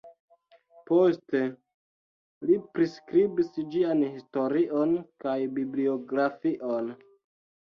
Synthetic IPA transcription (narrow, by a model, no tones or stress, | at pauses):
po̞ste̞ | lipɾiskɾibisd͡ʒianhisto̞ɾiʔo̞nkajbiblio̞ɡɾafiʔon